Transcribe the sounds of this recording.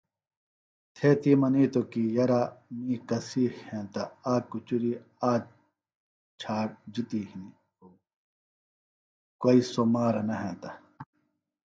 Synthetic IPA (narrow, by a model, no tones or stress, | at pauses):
t̪ʰeːt̪imɐniːt̪okijɐɾamĩːkɐsiːxhẽːt̪aaːkut͡ɕuɾi | aː | t͡ɕʰaːʈ̚d͡ʑit̪iːhini | o | koːisomaːɾɐnɐɦẽt̪ɐ